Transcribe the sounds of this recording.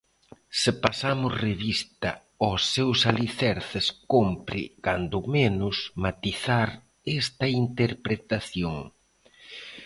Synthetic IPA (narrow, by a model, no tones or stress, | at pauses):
sɪpasamʊsreβist̪ɐ̰ | osːewsaliθɛɾθɪskompɾɪ̰kand̪ʊmenʊsmat̪iθaɾ | ɛst̪ɐint̪eɾpɾet̪aθjoŋ